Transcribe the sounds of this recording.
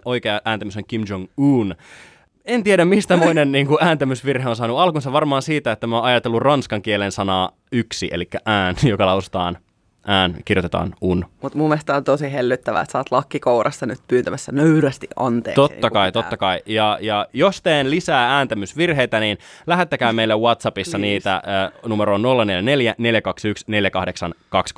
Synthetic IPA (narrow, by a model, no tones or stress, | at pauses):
oijkeɑʔæːnt̪æmysoŋkimd͡ʒoŋuːn | ent̪ieɾæmmist̪æmoinenːiːŋkuæːnt̪æmysʋirheons̬ɑːnuɑlkunsɑʋɑrmɑːnsiːt̪æet̪ːæmoːnɑjɑt̪elːurrɑnskɑŋkielensɑnɑː | yksiʔḛlikːæʔæːnjokɑlɑusu̥t̪ɑ̰ːn | ʔæːnkirjot̪et̪ɑ̰ːnunmut̪mumest̪ɑont̪osiɦelːyt̪ːæʋæ̰ḛt̪sɑːt̪lɑkːikouɾɑsːɑnyt̪̚pyːnt̪æmæsːænøyɾæst̪iʔʔɑnt̪ḛːkt̪ot̪ːɑkkɑjt̪ot̪ːɑkɑijɑjɑjost̪eːnlisæːæːnt̪æmysʋirɦe̞jt̪æniːn | læɦet̪ːækæːmeilːewɑt̪sɑpisːɑniːt̪æ̰ːnumeɾoːnnolːɑneljæne̞ljæne̞ljækɑksyksne̞ljækɑhdeksɑnkɑks